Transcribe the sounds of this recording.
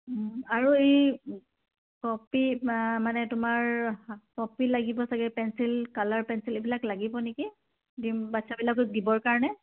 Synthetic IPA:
aɹuej | kɔpimanɛtʊmaɹkɔpilaɡibɔsaɡɛpɛnsilkalaɹpɛnsilebilaklaɡibɔneki | dimbatsabilak̬odibɔɹkaɹɔnɛ

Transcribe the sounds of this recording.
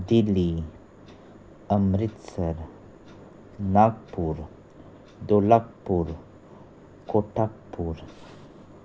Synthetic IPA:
d̪ili | əmɾit̪səɾ | nak̚puɾ | d̪olak̚puɾ | koʈak̚puɾ

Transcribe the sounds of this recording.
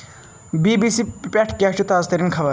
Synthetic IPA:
biːbiːsipʲɛʈʰkʲɛt͡ʃut̪aːzt̪ɐɾinkʰɐʋɐ

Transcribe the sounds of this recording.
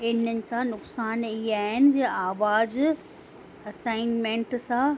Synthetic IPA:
ɪnənɪ̆sãnʊksaːniɦaːɦɪnɪ̆d͡ʑeʔaːʋaːz | ɐsaːɪnmẽɳʈsã

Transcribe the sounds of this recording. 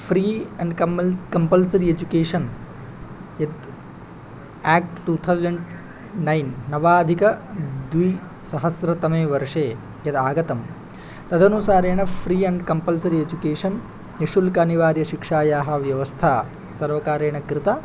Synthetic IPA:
pʰɾiːɐɳɖkɐmkɐmpɐlsɐɾied͡ʒukeːʂɐn | jɐd̪̚ | ɛːk̚ʈʈuːt̪ʰɐwzɐɳɖ | nɐjnːɐʋaːd̪ʱikɐd̪ʋuj | sɐɦɐsɾɐt̪ɐmeːʋɐɾʂeː | jɐd̪aːɡɐt̪ɐm | t̪ɐd̪ʱɐnusaːɾeːɳɐpʰɾiːɐɳɖkɐmpɐlsɐɾied͡ʒukeːʂɐn | eʂulkaːniʋaːɾjɐʃikʂaːjaːɦɐ̆ʋjɐʋɐst̪ʰaː | sɐɾʋɐkaːɾeːɳɐkɾɪt̪a

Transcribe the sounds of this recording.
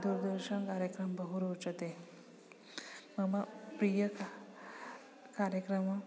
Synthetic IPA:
d̪uɾd̪əɾɕəɳkaɾjəkɾəmbəɦuɾot͡sət̪e | məmapɾijək | kaɾjəkɾəma

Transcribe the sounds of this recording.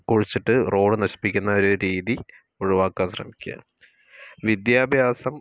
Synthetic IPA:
kuɻit͡ɕːiʈːɨro̞ːɖɨnɐɕi̥pːikʲːunːɐoɾuɾiːði | oɻuʋaːkːaːnɕrɐ̰mikʲːuɐ̰ | ʋid̪jaːbʱjaːsɐm

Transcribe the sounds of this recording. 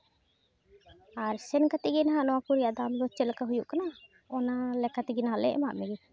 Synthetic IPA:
aɾsɛnkat̪iʔɡinaɦaʔnɔwakuɾijaʔd̪amd̪ɔt͡ʃɛlkaɦujuʔkana | ɔnalɛkat̪iɡɛnaɦalɛ̰ʔmaʔmɛɡɛ

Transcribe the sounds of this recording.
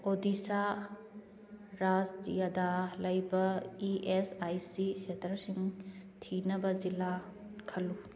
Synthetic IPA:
odisa | ɾad͡ʒd͡ʒḭjadalɐjbɐiʔesajsisetʰɐɾsiŋtʰinɐbɐd͡ʒila | kʰɐlu

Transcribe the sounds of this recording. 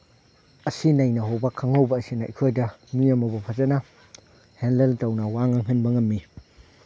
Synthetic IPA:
ɐsinajnɐɦobakʰaŋawbɐːsinaʔḭkʰojdɐnujamɐbɐpʰazana | henleltɐwnɐwaŋɐŋɦɯnbɐŋɐmːi

